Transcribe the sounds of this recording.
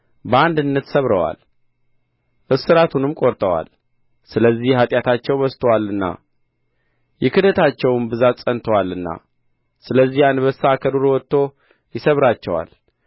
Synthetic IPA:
bəand̪ɨnːət̪səβɾəwa̰l | ʔɨsɨɾat̪ʰunɨmkʼoɾt̪ʼəwa̰l | sɨləzːihhat̪ʼjat̪ʰat͡ʃːɛwbəst̪ʰəwalɨnːa̰ | jɪkʰɨd̪ət̪ʰat͡ʃːɛwmbɨzat̪sʼənt̪ʰəwalːɨnːa̰ | sɨləzːihanβəsakʰəd̪oɾwɔt̪ːo̞ | jɪsəβɾat͡ʃːɛwa̰l

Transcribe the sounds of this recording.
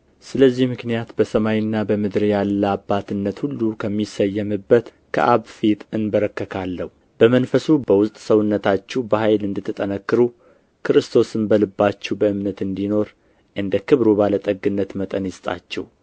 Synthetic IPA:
sɨləzːihmɨknijat̪bəsəmajɪnːabəmɨd̪ɾjalːəabːat̪ɨnːət̪hulːukʰəmːisəjːəmɨbːət̪ | kʰə̰ʔaβfit̪ɨnbəɾəkːəkʰalːəhu | bəmənfəsubəwʊst̪ʼsəwʊnːət̪ʰat͡ʃːɛbəhajlɨnd̪ɨt̪ʰːɨt̪ʼənəkːɨɾu | kʰɨɾɨst̪ʰo̞sɨnbəlɨbːat͡ʃːɛwbəɨmnət̪ɨnd̪ino̞ɾ | ʔɨnd̪əkʰɨβɾubalət̪ʼəɡɨnːət̪mət̪ʼənjɪst̪ʼa̰t͡ʃːɛw

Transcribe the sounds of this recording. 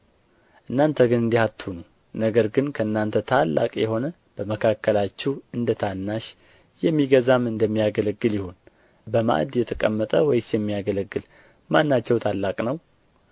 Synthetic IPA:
ʔɨnːant̪ʰəɡɨnɨnd̪ihat̪ʰːhunu | nəɡəɾɡɨnkʰəɨnːant̪ʰət̪ʰalːa̰kʼjɛho̞nə | b̥əməkʰakʰːəlat͡ʃːɛhɨnd̪ət̪ʰanːaʃ | jɛmːiɡəzamɨnd̪əmːijaɡələɡːɨljɪhun | bəma̰ʔd̪jɛt̪ʰəkʼəmːət̪ʼəwɔjsjɛmːijaɡələɡːɨl | manːat͡ʃːɛwt̪ʰalːakʼnəw

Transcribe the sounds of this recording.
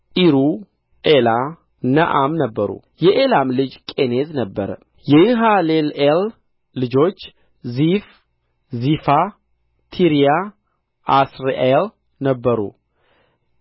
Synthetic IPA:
ʔiɾu | ʔela | nəʔamnəbːəɾṵ | jɛʔelamlɨd͡ʒkʼe̞ne̞znəbːəɾə̰ | jɛjuɦalelel | lɨd͡ʒo̞t͡ʃː | zif | zifa | t̪ʰiɾija | ʔasɾel | nəbːəɾṵ

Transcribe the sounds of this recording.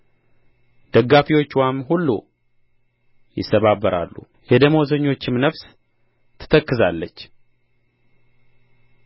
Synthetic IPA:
d̪̥əɡːafiwo̞t͡ʃːwamɦulːu | jɪ̰sːəβabːəɾa̰lːṵ | jɛd̪əmozəɲːo̞t͡ʃːɪmnəβs | t̪ʰɨ̥t̪ʰəkːɨzalːət͡ʃː

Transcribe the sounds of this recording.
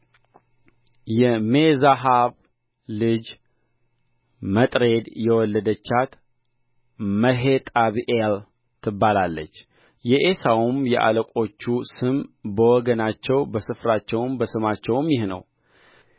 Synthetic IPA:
jɛmezaɦaβ | lɨd͡ʒ | mət̪ʼɾe̞d̪jɛwɔlːəd̪ət͡ʃːat̪ | məɦet̪ʼaβiʔel | t̪ʰɨbːalalːə̰t͡ʃː | jɛʔesawumjɛʔa̰ləkʼo̞t͡ʃːusɨmbəwɔɡənat͡ʃːɛwbəsɨfɾat͡ʃːɛwmbəsɨmat͡ʃːɛwmjɪhnə̰w

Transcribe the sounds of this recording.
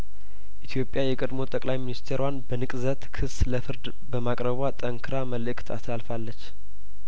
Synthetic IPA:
ʔit̪ʰjo̞pʼjajɛkʼəd̪mo̞t̪ʼəkʼlajminist̪ʰeɾwanbənɨkʼzət̪kʰɨsləfɨɾd̪ | bəmakʼɾəβat̪ʼəŋkʰɨɾaməlɨkʼt̪ʰa̰slalfalːət͡ʃː

